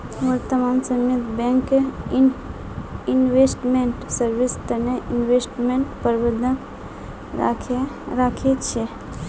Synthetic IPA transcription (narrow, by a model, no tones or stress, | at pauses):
ʋəɾt̪əmaːmsəmet̪bẽŋk | inʋesʈmẽɳʈsəɾʋist̪əneʔinʋesʈmẽɳʈpəɾbəd̪ʱək | kʰ | ɾakʰet͡ʃʰe